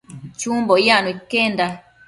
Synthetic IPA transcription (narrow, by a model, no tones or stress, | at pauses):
t͡ʃũmbojanũikend̪a